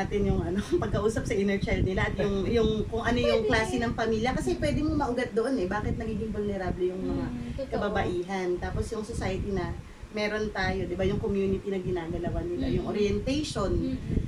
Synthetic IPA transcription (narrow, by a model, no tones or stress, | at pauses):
at̪ɪnjʊŋʔɐno̞pɐɡ̚kɐʔuːsɐp̚sɐʔɪnɛɹt͡ʃɐlnɪlaʔɐt̪jʊŋjʊŋkʊŋʔɐnojʊŋklaːsɪnɐŋpɐmiːljɐkɐsɛpwɛːd̪ɪmomɐʔʊɡat̪̚d̪oʔonɛbaːkɪt̪̚nɐɡiːɡɪŋbʊlnɛɾablɛjʊŋmɐŋakɐbɐbɐʔiːɦɐnt̪aːpo̞sjʊŋsosaːjɐt̪inɐ | mɛːɾo̞nt̪aːjo̞d̪ɪbajʊŋkomjuːnɪt̪inɐɡɪnaːɡɐlɐwanɪlajʊŋʔoɾjɛnt̪ɛjʃo̞n